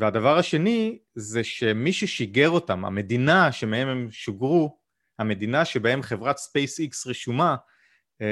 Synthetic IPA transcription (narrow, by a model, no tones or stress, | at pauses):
veadavaʁaʃe̞nizeʃe̞miʃeʃiɡe̞ʁo̞tama̰me̞dinaʃe̞mehe̞memʃuɡʁu | hame̞d̪inaʃebae̞mχe̞vʁat̪spejsiksʁiʃuma